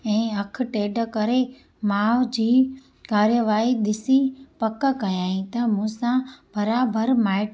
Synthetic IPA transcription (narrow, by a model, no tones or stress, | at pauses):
ɛ̃ːɐk̆ʰʈeːɖə̆kɐɾe | maːʋd͡ʑiː | kaːɾjəʋaːiɗ̪ɪsipɐkəkɐjaːɦĩt̪ɐmũːsãbɐɾaːbəɾmaːɪʈ